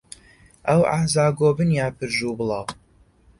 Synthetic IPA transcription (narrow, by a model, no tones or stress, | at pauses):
awa̰ħzaːɡoːbɨnjaːpʰɨɾʒuːbɨlˠɑw